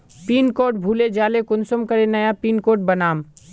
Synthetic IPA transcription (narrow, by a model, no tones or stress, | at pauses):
piːnkoːʈ̚bʱuːled͡ʒaːlekʊnsəmkəɾenəjapiːnkoːʈ̚bənaːm